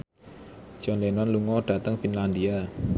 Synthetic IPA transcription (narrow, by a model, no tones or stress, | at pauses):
d͡ʒ̥ɔnlenanluŋɔɖ̥ä̤t̪əŋfinland̪ia